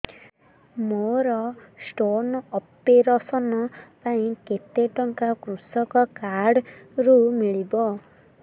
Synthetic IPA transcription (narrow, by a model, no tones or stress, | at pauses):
moɾɔsʈonɔpeɾɔsɔnɔpaĩket̪eʈɔŋkakɾusɔkɔkaɽɾumiɭibɔ